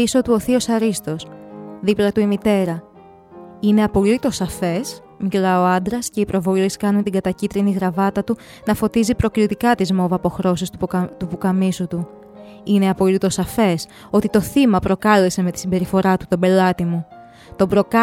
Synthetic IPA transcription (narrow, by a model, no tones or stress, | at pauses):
iso̞t̪uo̞θiosɐɾist̪o̞sðiplɐt̪uimit̪e̞ɾɐ | ine̞ɐpo̞lit̪o̞sɐfe̞s | miklɐo̞ɐnd̪ɾɐsce̞ipɾo̞vo̞liskɐnunt̪iɡɐt̪ɐcit̪ɾiniɣɾɐvɐt̪ɐt̪u | nɐfo̞t̪izipɾo̞kɾit̪ikɐt̪izmo̞vɐpo̞xɾo̞sist̪ut̪upukɐmisot̪u | ine̞ɐpo̞lit̪o̞sɐfe̞s | o̞t̪it̪o̞θimɐpɾo̞kɐle̞se̞me̞t̪i̥simbe̞ɾifo̞ɾɐt̪u̥t̪obe̞lɐt̪imu | t̪o̞bɾo̞kɐ